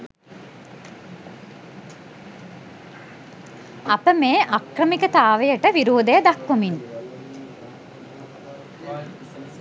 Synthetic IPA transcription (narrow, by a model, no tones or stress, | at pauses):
apəmeːʔakrəmikət̪aːʋejəʈəʋiɾoːd̪ejəd̪akːomin